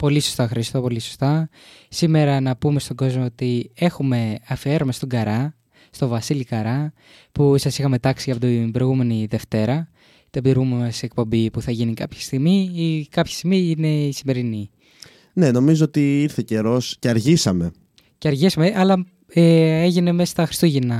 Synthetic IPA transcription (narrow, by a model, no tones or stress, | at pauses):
po̞liso̞st̪ɐxɐɾist̪o̞po̞liso̞̥st̪ɐ | sime̞ɾɐnɐpume̞st̪o̞ɡo̞zmoot̪ie̞xume̞ɐfie̞ɾomest̪o̞ɡɐɾɐ | st̪o̞vɐsilikɐɾɐ | pusɐsixɐme̞t̪ɐksiɐpot̪imbɾojɣume̞niðe̞ft̪e̞ɾɐ | t̪epiðɾɣumemesek̚po̞mbipuθɐʝinikɐpçi̥st̪iɣmiikɐpçi̥st̪iɣmiine̞isime̞ɾini | ne̞no̞mizoot̪iiɾθe̞ce̞ɾo̞sceɐɾʝisɐme̞ | cɐɾʝisɐmeʔɐlɐ | eeʝine̞mest̪ɐxɾi̥st̪uʝinɐ